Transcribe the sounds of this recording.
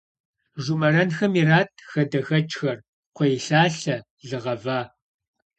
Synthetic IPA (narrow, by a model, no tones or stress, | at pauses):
ʒʷumɐrɐnxɐmiraːtʰxɐdɐxɐt͡ʃʼxɐr | qʷɔjɬaːɬɐ | ɮɨʁɐvaː